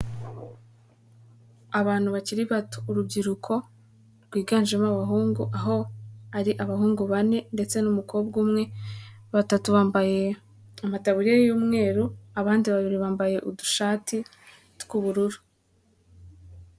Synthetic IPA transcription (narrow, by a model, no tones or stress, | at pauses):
aβaːn̥huβat͡ʃiɾiβatu̥ːɾubɡiɾukʰo̞ | ɾɡwiːɡaːnd͡ʒemaβaɦuːŋɡuʔaɦo̞aɾiʔaβaɦuːŋɡuβane̞nde̞t͡se̞numukobɡumŋe̞βatatuβabaje | amataβuɾijajuːmŋe̞ːɾuaβaːndiβaβiɾiβaːmbaje̞ʔuduʃaːtʰi | tkuβuɾuɾu